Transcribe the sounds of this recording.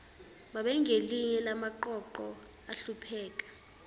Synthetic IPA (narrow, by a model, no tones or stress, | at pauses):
ɓaɓɛŋeliɲɛlamaǃɔǃɔ | aɬupʰɛːk̬ʼḁ